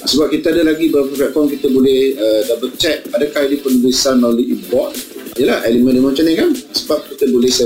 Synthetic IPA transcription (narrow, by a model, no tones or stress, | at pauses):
səbap̚kit̪aadalaɡibəɾap̬əplɛt̪̚fɔmk̬it̪əbolɛhədabərt͡ʃɛk̪̚adakahidipəlubisanaoliibɔt̪̚jəlaʔɛlimə̃ndimat͡ʃanikansəbap̚kit̪əbolɛhsɛ